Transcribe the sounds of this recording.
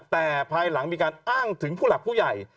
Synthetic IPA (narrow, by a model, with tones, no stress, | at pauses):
t̪ɛː˨˩pʰaː˧jla˩˦ŋmiː˧kaː˧nʔaː˥˩ŋt̪ʰɯ˩˦ŋpʰuː˥˩la˨˩uː˥˩ja˨˩j